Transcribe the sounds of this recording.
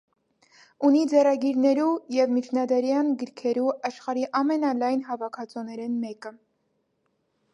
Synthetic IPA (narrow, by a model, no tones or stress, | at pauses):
unid͡zɛrɑɡiɾnɛɾujɛvmit͡ʃʰnɑd̪ɛɾjɑnɡəɾkʰɛɾuʔɑʃχɑɾiʔɑmɛnɑlɑjnɦɑvɑkʰɑt͡sɔnɛɾɛnmɛkə